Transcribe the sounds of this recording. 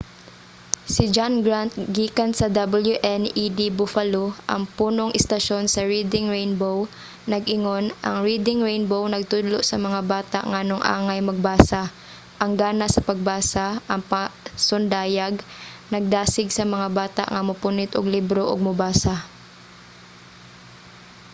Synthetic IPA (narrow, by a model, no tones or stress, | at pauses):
sɪd͡ʒanɡɹant̪̚ɡiːkɐnsɐd̪ɐbɐljuʔɛnʔid̪ibʊfaloʔɐ̰ŋpuːnoŋʔɪst̪ɐʃo̞nsɐɹiːd̪ɪŋɹejnbow | nɐɡʔɪŋo̞nʔɐ̰ŋɹiːd̪ɪŋɹejnbownɐɡ̚t̪ʊd̪loʔsɐmɐŋabaːt̪a̰ʔŋɐɐnoŋʔa̰ːŋɐjmɐɡ̚baːsa | ʔɐŋɡaːnɐsɐpɐɡ̚baːsaʔɐŋpɐsʊnd̪aːjaɡ | nɐɡ̚d̪aːsɪɡsɐmɐŋabaːt̪a̰ʔŋɐmʊpʊnɪt̪ʊɡlibɾoʔoɡ̚mʊbaːsa